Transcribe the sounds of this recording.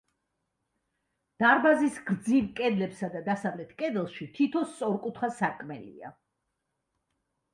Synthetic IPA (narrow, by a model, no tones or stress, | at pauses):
d̪̥aɾbazisɡ̥ɾd̪ziɾkʼɛd̪lɛpsad̪ad̪asavlɛt̪ʰkʼɛd̪ɛlˠʃit̪ʰit̪ʰɔst̪sʼɔɾkʼut̪ʰχasakʼmɛlḭa̰